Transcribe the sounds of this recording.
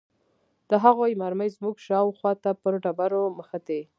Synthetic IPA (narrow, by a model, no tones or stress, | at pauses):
d̪̥əɦaɣojmaɾməjzmuɡʃɑwxwɑt̪apəɾɖabaɾoməxat̪e